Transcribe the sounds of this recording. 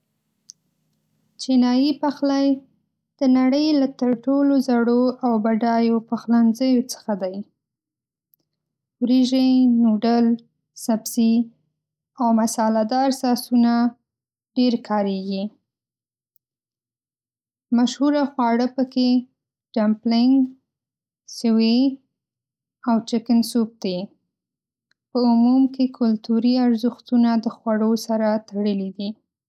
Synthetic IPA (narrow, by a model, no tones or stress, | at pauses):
t͡ʃinɑjipaxlaj | d̪̥ənaɽəjlat̪əɾʈolozaɽoʔawbaɖɑjopaxlanzəjot͡sə̥xad̪aj | wɾiʒəjnuɖəl | sabzi | awmasalad̪ɑɾsɑsuna | ɖeɾkʰɑɾeɡi | maʃhuɾaxwɑɽəpəke | ɖ̥amplɪŋɡ | sɪwe | awt͡ʃɪkɪnsup̚d̪e | pəʊmumkekʰʊlt̪uɾiaɾzəxt̪unad̪əxwaɽosaɾat̪aɽəlid̪i